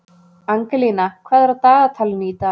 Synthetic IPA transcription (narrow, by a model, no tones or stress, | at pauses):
aŋkalinakʰvaːðaɾat̪aːðat̪ʰalniːt̪a